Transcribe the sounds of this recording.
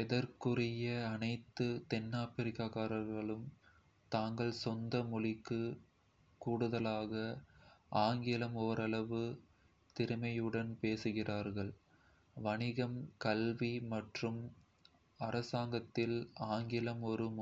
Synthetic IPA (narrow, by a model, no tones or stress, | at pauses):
ɛðɐɾkɯrɪjɐɐnɐɪt̪ːɯt̪ɛnːaːpɪɾɪkːaːɣaːɾɐɾɣɐɭɯm | t̪aːŋɡɐɭsɔnd̪ɐmʊlɪkːɯ | kuːɽɯðɐlaːɣɐʔaːŋɡɪlɐmɔɾɐɭɐʋɯ | t̪ɪɾɯmɐjɯɽɐnpeːsɯɣɪraːɾɣɐɭ | ʋɐnɪɣɐmkɐlʋimɐʈrɯm | ɐɾɐsaːŋɡɐt̪ːɪlaːŋɡɪlɐmɔɾɯm